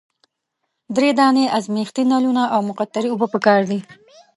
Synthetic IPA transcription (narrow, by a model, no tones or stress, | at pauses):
d̪ɾed̪ɑneʔazmext̪inɑlunaʔawmʊqat̪ːaɾiʊbəpəkɑɾd̪i